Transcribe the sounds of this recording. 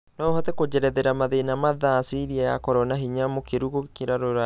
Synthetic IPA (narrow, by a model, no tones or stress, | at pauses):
nɔohatɛkod͡ʑɛɾɛðeɾamaðenamaðasiɾiaja̰kɔɾɔnaɦiɲamokeɾuɣokiɾaɾoɾa